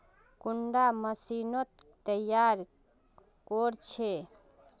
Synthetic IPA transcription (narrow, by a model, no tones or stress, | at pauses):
kuɳɖaməsinot̪ː | əjaɾ | koɾt͡ʃʰe